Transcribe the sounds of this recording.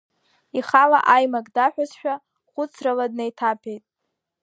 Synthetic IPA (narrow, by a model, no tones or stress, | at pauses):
iχala̰ʔajmakʼdaħᶣasʃᶣa | χʷʊt͡sʰraladnejtʰapʰejtʼ